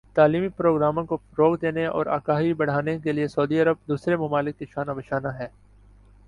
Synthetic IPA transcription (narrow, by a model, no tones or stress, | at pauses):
t̪aːliːmipɾoːɡɾaːmõkofɾoːɡd̪eːneɔ̰ːɾa̰ːkaːɦibɐɽ̤aːnekeliesɐːd̪iɐɾəb̚d̪uːsɾemɐmaːlɪkːɪʃaːnaʋɪʃaːnaɦɛː